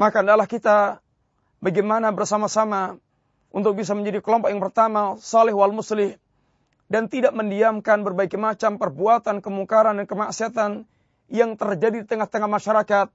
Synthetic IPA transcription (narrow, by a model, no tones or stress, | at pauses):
makandalahkit̪a | baɡemanabərsamasama | ṵnt̪ʊk̚bis̬aməɲd͡ʒadikəlɔmpɔkjaŋpərt̪amasalɛhwaalmuslɪh | dant̪idaʔ̚məndiamkanbərbaikimat͡ʃampərbuat̪ankəmuŋkaɾandankəmaʔsiat̪an | jaŋt̪ərd͡ʒadidit̪əŋaht̪əŋahmaʃaɾakat̪̚